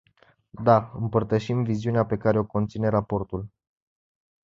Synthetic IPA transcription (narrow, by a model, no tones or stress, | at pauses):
d̪aɨmpərt̪əʃimviziuneape̞kaɾe̞o̞ko̞nt̪sine̞ɾapo̞rt̪ul